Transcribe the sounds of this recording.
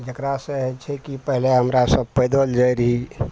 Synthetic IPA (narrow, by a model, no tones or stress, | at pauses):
d͡ʒəkɾasẽɦɛt͡ʃʰɛkipəɦleɦəmɾasəb̚pəjd̪əld͡ʒajɾəɦi